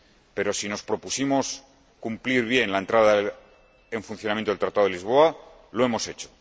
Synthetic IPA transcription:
pe̞ɾo̞sino̞spɾo̞pusimos | kumpliɾβje̞nlaent̪ɾaða | e̞ɱfunθjonamjent̪oelt̪ɾat̪aðelizβ̞o̞a | lo̞e̞mo̞se̞t͡ʃo̥

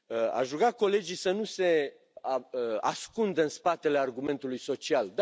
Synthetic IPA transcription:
a̰ʃʒuɡako̞le̞d͡ʒijsənuse̞ | a̰skund̪əɨnspat̪e̞le̞arɡume̞nt̪ulujso̞t͡ʃiald̪

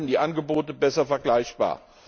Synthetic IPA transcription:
n̩diːʔanɡəboːtəbɛsɐfɛɐɡlaɪçb̥a̰ːɐ

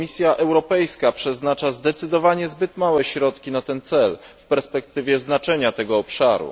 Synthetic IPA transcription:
isʲjaʔɛwɾɔpɛjskapʂɛznat͡ʂazd̪ɛt̪sɘd̪ɔvaɲɛzbɘt̪mawɛɕɾɔt̪kʲinat̪ɛnt̪sɛlfpɛɾspɛkt̪ɘvʲjɛznat͡ʂɛɲat̪ɛɡɔːpʂaɾṵ

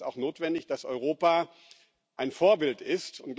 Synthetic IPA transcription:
ta̰ʊxnoːtv̥ɛndɪçd̥asʔɔ̰ʏʁ̞oːpaː | ʔaɪnfoːɐbɪltɪstʊntɡ̥l

